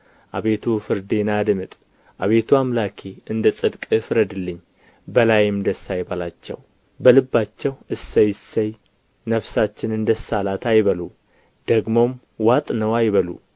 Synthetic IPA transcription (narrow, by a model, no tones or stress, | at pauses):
ʔaβe̞t̪ʰufɨɾd̪e̞nad̪mɨt̪ʼ | ʔaβe̞t̪ʰuamlakʰeɨnd̪əsʼɨd̪kʼɨfɨɾəd̪ɨlːɨɲː | bəlajɪmd̪əsːajbalat͡ʃːɛ̰w | bəlɨbːat͡ʃːɛwɨsːəjsːəj | nəβsat͡ʃːɪnɨnd̪əsːalat̪ajβəlu | d̪̥əɡmo̞m | wat̪ʼnəwajβəlṵ